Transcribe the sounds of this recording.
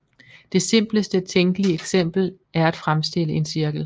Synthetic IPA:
d̥e̝se̝m̰b̥ləsd̥ət͡sʰeŋɡ̥əliəeɡ̥sem̰b̥l̩ | æɐæd̥fʁamsd̥e̝l̰əʔe̝nsiɐɡ̥l̩

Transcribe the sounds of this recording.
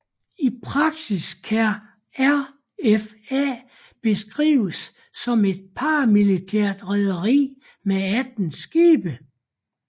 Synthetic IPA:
ipʰʁɑ̈ɡ̥siskʰæ | æɐ | ef | æ̰ | b̥e̝sɡ̥ʁḭːʊəsː | ɒ̽me̝d̥̚pʰɑmilit͡sʰæɐ̰d̥ʁɛð̞ˠɐʁḭː | meæd̥n̩sɡ̥iːb̥ə

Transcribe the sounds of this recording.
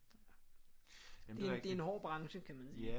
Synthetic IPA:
d̥ed̥ee̝nhɒ̰ːb̥ʁɑ̈ŋɕəkʰæmænsiː

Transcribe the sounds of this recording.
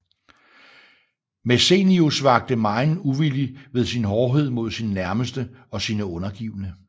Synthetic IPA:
mese̝niosʋɑ̈ɡ̥̚d̥əmɑ̈ɪnuʋiliʋe̝ð̞ˠsinɦɒːɦe̝ð̞̰ˠmo̝ð̞̰ˠsinnæɐməsd̥ə | ɒ̽siːnəɔ̽nɐɡ̥ḭːʊənə

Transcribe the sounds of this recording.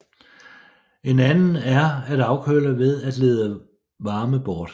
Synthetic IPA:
e̝nænn̩æɐæd̥ɑ̈ʊkʰølɐʋe̝ð̞ˠæd̥leːð̞ˠə | ʋɑ̈ːməb̥ɒːd̥

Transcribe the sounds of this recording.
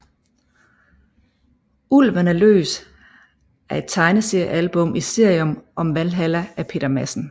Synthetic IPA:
ulʋænælø̰ːs | æɐe̝d̥̚t͡sʰɑ̈ɪnəse̝ɐjælb̥ɔ̽mʔise̝ɐ̰jɔmʔɒ̽mʋælɦælææpʰe̝̰ːd̥ɐmæsn̩

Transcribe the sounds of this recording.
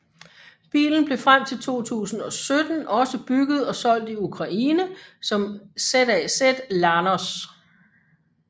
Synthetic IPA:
b̥ḭːln̩b̥le̝fʁam̰t͡sʰe̝lt͡sʰo̝̰ːt͡sʰṵːsn̩ɒ̽sød̥n̩ʔɒ̽səb̥yɡ̥ð̞̩ˠɒ̽sɒ̽l̰d̥iukʰʁɑ̈ʔiːnəsɒ̽msed̥ɛsed̥lɑnɒs

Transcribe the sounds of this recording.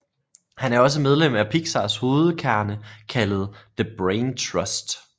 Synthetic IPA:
hænæɐɒ̽s̬əmeð̞ˠlem̰æpʰiɡ̥sɑ̈sho̝ːð̞̩ˠkʰæɐnəkʰælð̞̩ˠð̥əb̥ʁeɪnt͡sʰʁɒ̽sd̥

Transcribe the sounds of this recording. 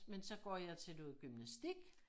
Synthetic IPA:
mensɒ̽ɡ̥ɒ̰jɑ̈ɪt͡sʰe̝lduðˠɡ̥ymnæsd̥iɡ̥

